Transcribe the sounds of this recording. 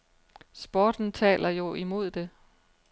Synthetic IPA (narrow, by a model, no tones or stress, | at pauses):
sb̥ɒːd̥n̩t͡sʰɛ̰ːlʔɐjo̝ʔimo̝ð̞̰ˠd̥e̝